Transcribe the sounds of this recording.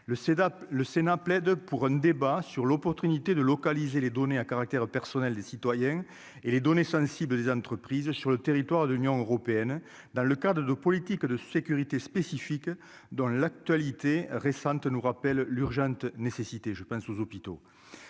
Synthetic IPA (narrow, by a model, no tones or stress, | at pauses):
ələsenaplɛd̪puʁɛ̃nd̪ebasyʁlɔpɔʁt̪ynit̪ed̪əlɔkalizeled̪ɔneakaʁak̚t̪ɛʁpɛʁsɔnɛld̪esit̪wajɛ̃ | eled̪ɔnesɑ̃sibləd̪ezɑ̃nt̪χəpχizəsyʁlət̪eʁit̪waʁd̪əlynjɔ̃øʁɔpeɛn | d̪ɑ̃ləkad̪ʁəd̪əpɔlit̪ikd̪əsekyʁit̪espesifik | d̪ɔ̃lak̚t̪ɥalit̪eʁesɑ̃nt̪ənuʁapɛlːyʁʒɑ̃nt̪ənesesit̪eʒəpɑ̃sozɔpit̪o